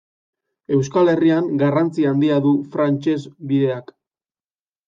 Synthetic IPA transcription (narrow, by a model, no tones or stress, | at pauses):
e̞wskale̞riaŋɡarant͡siand̪iaðufɾant͡ʃe̞zbiðe̞ak